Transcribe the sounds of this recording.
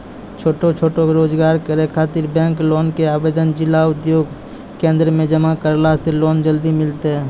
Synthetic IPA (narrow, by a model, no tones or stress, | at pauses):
t͡ʃʰoːʈot͡ʃʰoːʈoɾoːd͡ʒɡaːɾkəɾekʰaːt̪ɪɾbɛ̃ːŋkloːnkeaːbeːd̪ənd͡ʒɪlːaʊd̪joːɡ | kẽːnd̪ɾəmẽd͡ʒəmakəɾlaseloːnd͡ʒəld̪imɪlt̪eɦɛː